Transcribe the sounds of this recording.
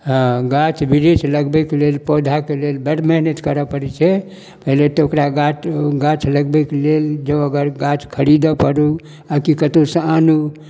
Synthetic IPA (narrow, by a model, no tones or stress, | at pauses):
ɦə̃ɡat͡ʃbiɾit͡ʃʰləɡbɛkelelpod̪ʱakelelbɛɾməɦnət̪kəɾəpəɾɛt͡ʃʰɛ | pəɦilet̪ɔokɾaɡat͡ʃɡat͡ʃʰləɡbɛkeleld͡ʒə̃əɡəɾɡat͡ʃkʰəɾid̪əpəɾu | akikət̪osəanu